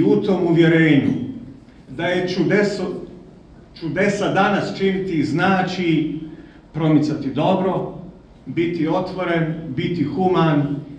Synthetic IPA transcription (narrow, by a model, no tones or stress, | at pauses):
ut̪o̞ːmuʋje̞ɾeːɲu | d̪ajet͡ʃud̪eso | t͡ʃud̪e̞sad̪anast͡ʃinit̪iznaːt͡ʃi | pɾo̞mit̪sat̪id̪o̞bɾo̞ | bit̪io̞t̪ʋo̞ɾe̞nbit̪ixuman